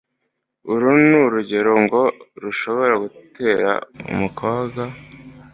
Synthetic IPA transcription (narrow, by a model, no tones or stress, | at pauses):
uɾunuɾuɟe̞ɾo̞ŋɡo̞ɾuʃo̞βo̞ɾaɡutʰe̞ːɾa̰ṵmukʰoːbɡa